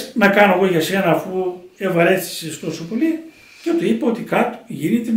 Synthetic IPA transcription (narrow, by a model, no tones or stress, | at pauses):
nɐkɐnoeɣo̞ʝɐsenɐfuevɐɾe̞θi̥sest̪o̞sopo̞li | cet̪uipeo̞t̪ikɐt̪o̥ʝinit̪e